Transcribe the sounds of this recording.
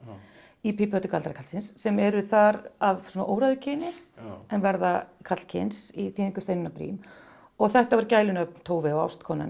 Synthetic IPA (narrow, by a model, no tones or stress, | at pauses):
ipipœt̪ʏkʰalt̪ɾakʰalsɪnsːɛmɛɾʏθaɾavsɔːnaʔoːwɾaðʏcʰɪːnɪɛnvɛɾðakʰat̪l̥cʰɪ̰nsiθiːðiŋkʏ̥st̪ejnɪnapɾḭːm | ɔɣθɛht̪avaɾcaːjlʏnœp̚nt̪ʰoːwvɪɔa̰wst̪kʰɔːna̰n